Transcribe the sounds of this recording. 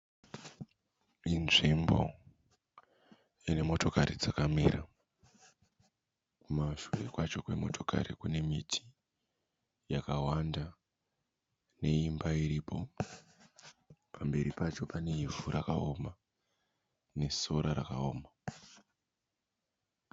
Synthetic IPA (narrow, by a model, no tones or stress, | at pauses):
inʐimbo̞̰ | ine̞mo̞to̞kaɾid͡zakamiːɾa | kumaʃure̞kwat͡ʃo̞kwe̞mo̞̰tʰo̞ka̰ɾḭkune̞mitʰi̥ | jakawanda | ne̞imbaiɾipʰo̞ | pʰambe̞ɾipat͡ʃo̞pane̞ivuɾʔakao̞ma | ne̞so̞ɾaɾa̰ka̰oːma